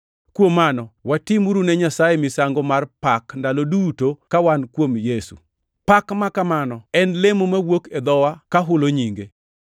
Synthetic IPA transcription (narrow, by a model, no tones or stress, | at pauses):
kwomanɔwatimuɾunɛɲasajemɪsaŋɡomarpakndalodutokawankwomjesṵ | pakmakamanɔɛnlemomawoked̪ɔwakaɦʊloɲiŋɡe